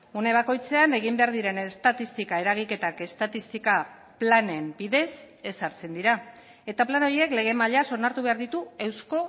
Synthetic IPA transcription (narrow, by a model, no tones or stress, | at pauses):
une̞β̞ako̞jt͡se̞ane̞ɣ̞imbe̞aɾðiɾe̞ne̞st̪at̪ist̪ikae̞ɾaɣike̞t̪ake̞st̪at̪ist̪ika | plane̞mbiðe̞s | e̞saɾt͡se̞nd̪iɾa | e̞t̪aplano̞ɾie̞kle̞ɣ̞e̞maʎaso̞naɾt̪uβe̞aɾðit̪uewsko̞